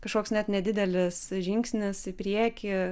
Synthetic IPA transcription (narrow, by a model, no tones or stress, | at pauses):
kɐʃkoːksnʲɛt̪nʲɛdʲɪd̪ʲɛlʲɪsʒʲɪŋksʲnʲɪsɪpʲɾʲiɛkʲɪ